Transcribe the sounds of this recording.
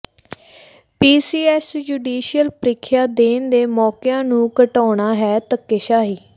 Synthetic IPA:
piːsiːɛːsd͡ʒuːɖiːʃijəlpɾɪkʰːjaːd̪eːnd̪eːmɔːkɪjãːnũːkəʈaːɳaːɦɛːt̪əkːɪʃaːɦiː

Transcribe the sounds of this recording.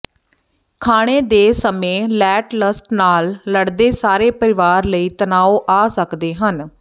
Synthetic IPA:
kʰaːɽ̃eːd̪eːsəmẽːlɛːʈləsʈnaːlːəɽd̪eːsaːɾeːpəɾɪʋaːɾləiːt̪ənaːoːʔaːsəkd̪eːɦən

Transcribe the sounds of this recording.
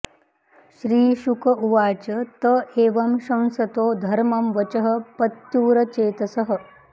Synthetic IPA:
ʃɾiːʃukʰɐuʋaːt͡ʃɐt̪ɐeːʋɐmʃɐ̃ñsɐt̪oːd̪ʱɐɾmɐmʋɐt͡ʃɐɦɐ̆pɐt̪juːɾɐt͡ʃeːt̪ɐsɐɦɐ̆

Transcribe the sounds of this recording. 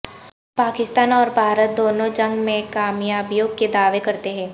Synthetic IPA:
paːkɪst̪aːnɔːɾbʱaːɾət̪̚d̪oːnõd͡ʒɐ̃ŋɡmẽkaːmjaːbjoːɡ̚ked̪aːʋekɐɾt̪eɦɛ̃ː

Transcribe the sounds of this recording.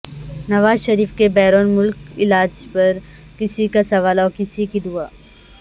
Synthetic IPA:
nɐʋaːzʃɐɾiːfkebɛːɾoːnmʊlkɪlaːd͡ʒpɐɾ | kɪsikasɐʋaːlaɔːkɪsikid̪ʊaː

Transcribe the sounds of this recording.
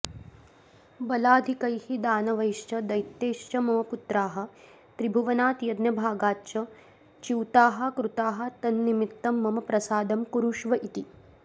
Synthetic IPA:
bɐlaːd̪ʱikɐjhid̪aːnɐʋɐjʃt͡ʃɐd̪ɐjt̪ːeːʃt͡ʃɐmɐmɐput̪ɾaːɦɐ̆ | t̪ɾibʱuʋɐnaːt̪jɐd̪njɐbʱaːɡaːt͡ʃɐ | t͡ʃiwt̪aːɦɐ̆kɾut̪aːɦɐ̆t̪ɐnːimit̪ːɐmːɐmɐpɾɐsaːd̪ɐmkuɾuʃʋɐʔit̪i

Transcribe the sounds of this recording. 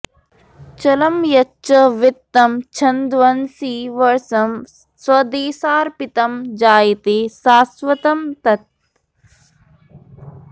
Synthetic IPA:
t͡ʃɐlɐmjɐt͡ʃɐʋɪt̪ːɐmt͡ʃʰɐnd̪ʋɐnsiːʋɐɾsɐm | swɐd̪eːsaːɾpit̪ɐmd͡ʒaːjit̪eːsaːsʋɐt̪ɐmt̪ɐt̪̚

